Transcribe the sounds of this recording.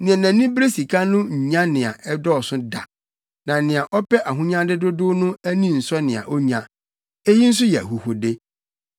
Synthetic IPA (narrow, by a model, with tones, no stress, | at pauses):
nɪ̃˨ɛ˨næ̃˨˦nĩ˦bɾe˦si˨kʰa˦nʊ̃˦ɲ̩˨ɲã˦nɪ̃˨a˨ʔɛ˦dɔ˦ɔ˨sʊ˦da̰˨ | nã˨nɪ̃˨a˨ʔɔ˦pɛ˦ʔa˨ɦʊ̃˦ɲã˦dɪ˦dʊ˦dʊ˦nʊ̃˦æ˦nĩ˦˨n̩˨sɔ˦nɪ̃˨a̰˨ʔɔ˦ɲã˨ | e˦ji˦n̩˦s̬ʊ˦jɛ˨æ˨hu˨ho˨de˦